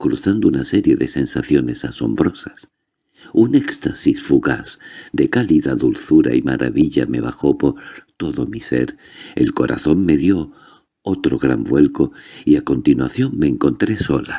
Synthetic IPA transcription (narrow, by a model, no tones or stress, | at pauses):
kɾuθand̪ounase̞ɾje̞ðe̞se̞nsaθjo̞ne̞saso̞̰mbɾo̞sas | unekst̪asisfuɣa̰sd̪e̞kaliðaðulθuɾa̰ima̰ɾʔa̰βiʎame̞β̞axo̞po̞ɾt̪o̞ðo̞mise̞̰ɾ | e̞̰lko̞ɾa̰θo̞nme̞ðjo̞ | ot̪ɾo̞ɣɾambwe̞lko̞iako̞nt̪inwaθjo̞ŋme̞ːŋko̞nt̪ɾe̞so̞la